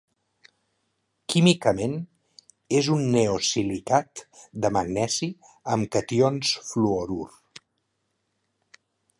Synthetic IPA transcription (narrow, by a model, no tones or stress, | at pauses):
kimikəmen | ezunːeosilik̪at̪d̪əməɡnɛzi | əmkət̪ionsfluoɾur